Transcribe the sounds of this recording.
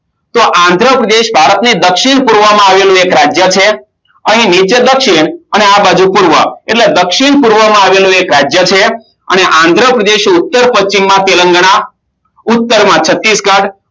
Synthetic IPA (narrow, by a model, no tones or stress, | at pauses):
t̪oʔãnd̪ʱɾəpɾəd̪eʃbʱaɾət̪nid̪əkʃiɳpuɾʋəmãaʋelũekɾad͡ʒjət͡ʃʰe | əɦĩnit͡ʃed̪əkʃiɳəneabad͡ʒũpuɾʋəeʈled̪əkʃiɳpuɾʋəmãaʋelũekɾad͡ʒjət͡ʃʰe | ə̰neʔãnd̪ʱɾəpɾəd̪eʃʊt̪ːəɾpəst͡ʃimːãt̪elə̃ŋɡəɳ̃a | ʊt̪ːəɾmãt͡ʃʰət̪ːisɡãɽ